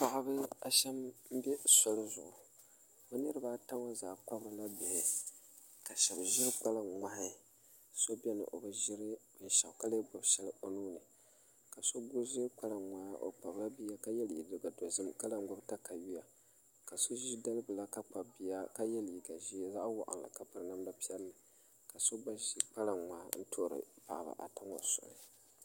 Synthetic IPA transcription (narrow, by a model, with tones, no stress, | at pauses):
pa˨ʔa˦bɨ˦a˨ʃɛ˦mm̩˦bɛ˦sʊ˦lʊ˦zʊ̰˨ʔʊ˨ | bɛ˦nɨ˦ɾɨ˦baː˦ta˦ŋa˦zaː˨k͡pa˦bɨ˨˦la˦bɪ˨hɪ˨ | ka˨ʃɛ˨bʒɪ˦ɾk͡pa˦la˨ŋa˨hɪ˦˨ | so˦bɛ˦nɨ̰˨ʔo˨bɨ˦ʒɪ˦ɾɨ˦b̥ɨ˨nʃa˨ka˦le˦ɡ͡bʊ˨bʃɛ˦lɨ˦o˨nuː˦nɨ˨ | ka˨so˦ɡʊ˦ʒi˦k͡pa˦la˨ŋʷa˨ja˦ʔo̰˨k͡pa˨bla˦bi˦a˦ka˦jɛ˦lḭ˨dɨ˨ɡa˨do˨zɨ˦mka˦la˦˨ŋ˦ɡʊ˦bta˦ka˨ji˦ja˨ | ka˨so˦ʒi˦da˦lɨ˦bɨ˨la˦ka˦k͡pa˨bi˨a˦ka˦jɛ˦lji˨ɡa˨ʒi˦za˦ʔwɔ̰˨ʔa̰˨n˨la̰˨ka˨pɨ˨ɾɨ˨na˦mla˦pi˦ɛ˦lnɨ˨ | ka˨so˦ɡ͡ba˦ʒi˨˦k͡pa˦la˨ŋa˨n̩˦tʰo˦˨ɾɨ̰˨pa̰˨ʔba̰˨ʔa̰˨ta˦ŋo̰˨sʊ̰˨nɨ˨